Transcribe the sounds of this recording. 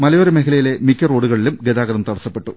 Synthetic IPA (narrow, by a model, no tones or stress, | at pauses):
mɐlɐjoɾɐmeɦilɐjile̞mikʲːɐro̞ːɽuɣɐɭilumɡeðaːɣɐðɐmt̪ɐɽɐsːɐpːe̞ʈːu